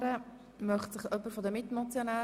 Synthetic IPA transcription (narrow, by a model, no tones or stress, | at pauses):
ɾə | mœχtsɪχœpːəɾfodəmɪtmɔt͡sjonæː